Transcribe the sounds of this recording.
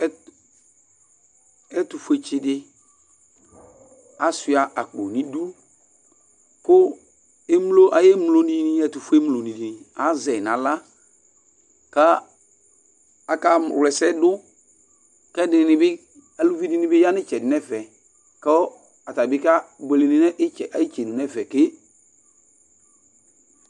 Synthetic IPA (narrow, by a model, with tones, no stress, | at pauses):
ɛ˦ | ɛ˦tʊ˨fu˨˦e˨t͡ʃɪ˦dɪ˦ | a˨˦sɪ˨a˨ʔa˨k͡po˨nĩ˨du˦ | kʊ˦ | e˦m˦lo˦ʔa˨je˦m˦lo˦ni˦nɪ˦ɛ˦tu˨fu˦e˦mlo˨ni˨di˨nɪ˨a˨˦zɛ˨n˨a˨la˦ | ka˦ | a˨ka˦˨wlɛ˨sɛ˦dʊ˦ | kɛ˦dɪ˨nɪ˨bɪ˦ | a˨lu˦vi˦dɪ˦nɪ˦bɪ˦ja˦nɪ˦t͡ʃɛ˨dɪ˨nɛ˦vɛ˨ | kɛ˦ | a˨ta˨bɪ˦ka˦be˨le˨nɪ̃˨˦nɛ˦ʔt͡ʃɛ˨ʔa˨ji˦t͡ʃe˨nũ˨nɛ˦vɛ˨kɪ˦